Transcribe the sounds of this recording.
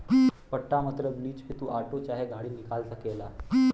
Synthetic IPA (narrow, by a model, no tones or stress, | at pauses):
pəʈːamət̪ɾəbliːd͡ʑpit̪uːʔaʈot͡ɕaɦeɡʱaɽiːnikalt̪əkela